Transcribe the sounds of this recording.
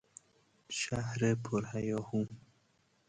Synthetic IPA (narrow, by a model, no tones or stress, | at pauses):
ʃahɾepʰoɾhajɔhũ